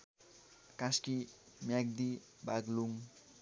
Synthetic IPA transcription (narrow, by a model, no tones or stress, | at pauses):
kãski | mjaɡ̚d̪i | baɡluŋ